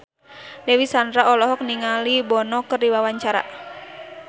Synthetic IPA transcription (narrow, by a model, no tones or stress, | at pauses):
dɛwisandɾaɔlɔɦɔk̚niŋalibɔnɔkərdiwawaɲt͡ʃaɾa̰